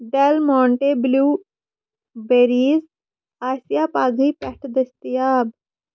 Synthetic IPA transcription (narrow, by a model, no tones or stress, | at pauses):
ɖɛlmɔ̃ːɳʈeːbluː | beːɾiːz | aːsɪjaːpaːɡiːpɛʈʰd̪əst̪ɪjaːb